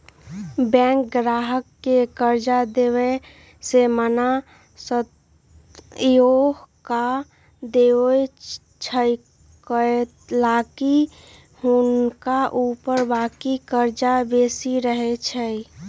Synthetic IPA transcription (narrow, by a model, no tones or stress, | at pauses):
bɛ̃ːŋk̚ɡɾaːɦəkːekəɾd͡ʒad̪eːwe | seməna | sət̪ | joɦka | d̪e | t͡ʃʰəj | kə | laːki | hʊnkaʔupəɾbaːkikəɾd͡ʒabeːsiɾəɦet͡ʃʰəi